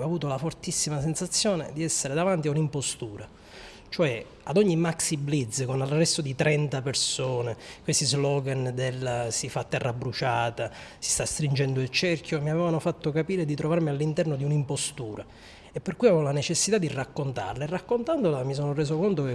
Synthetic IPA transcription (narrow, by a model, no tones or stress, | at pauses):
voavuːt̪olafort̪isːimasensat̪sːjoːnḛd̪iɛsːeɾed̪avant̪̬iaunimpost̪uːɾa | t͡ʃoɛ | ad̪ɔɲːimaksiblit̪zkonalrɛst̪od̪it̪ɾɛnt̪apersoːnekwest̪izlɔɡand̪elsifat̪ːɛrːabɾut͡ʃaːt̪asi̥st̪ast̪ɾind͡ʒɛnd̪oilt͡ʃɛrkʰjomiavɛːvanofat̪ːokapiːɾed̪it̪ɾovarmialːint̪ɛrnod̪iunimpost̪uːɾa | epːerkːujavevolanet͡ʃesːit̪ad̪irakːont̪a̰rlaerːakːont̪and̪olamis̬oːnoreːzokont̪oke